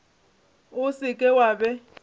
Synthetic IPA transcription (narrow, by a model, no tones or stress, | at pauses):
ʊsɪkʼɛwaːbɛ